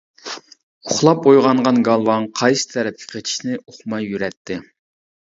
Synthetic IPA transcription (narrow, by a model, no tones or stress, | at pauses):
oχlˠɑp̚ojʁɑɴʁɑnɡɑlˠwɑnqʰɑjsɨ̥t̪ʰɛɾɛp̚ʲkʲʰɪ̥qʰet͡ʃʰi̥ʃnɪoχmɑjːyɾɛt̪ʰːɪ